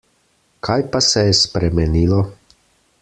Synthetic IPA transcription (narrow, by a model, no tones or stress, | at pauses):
kʰaːjpasɛjɛspɾɛmɛniːlɔ